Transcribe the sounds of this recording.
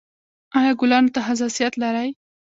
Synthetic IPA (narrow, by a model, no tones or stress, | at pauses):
ɑjɑɡʊlɑnot̪aɦas̬ɑsijat̪laɾaj